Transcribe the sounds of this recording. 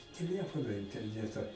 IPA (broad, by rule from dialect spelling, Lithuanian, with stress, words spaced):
tʲɛˈlʲæːfoːnoː ɪnʲtʲɛrʲˈnʲæːtɐ